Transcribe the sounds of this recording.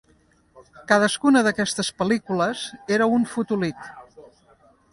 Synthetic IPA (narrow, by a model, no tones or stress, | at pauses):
kaðəskunəðəkɛst̪əspəlikuləz̥eɾəunfut̪ulit̪